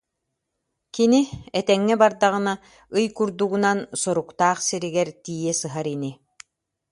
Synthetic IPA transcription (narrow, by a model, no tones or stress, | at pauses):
kiniɛt̪ɛŋːɛbaɾd̪aʁɯ̆na | ɯjkuɾd̪uɡunansɔɾukt̪aːχsiɾiɡɛɾt̪iːjɛsɯɦaɾini